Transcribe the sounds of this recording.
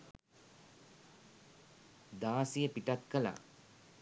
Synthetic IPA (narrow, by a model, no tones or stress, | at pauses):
d̪aːsijəpiʈakːəla̰ː